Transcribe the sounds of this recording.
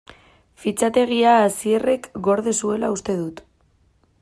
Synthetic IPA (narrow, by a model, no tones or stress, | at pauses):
fit͡sat̪e̞ɣ̞iaːsie̞re̞kɡo̞ɾðesue̞laust̪e̞ðut̪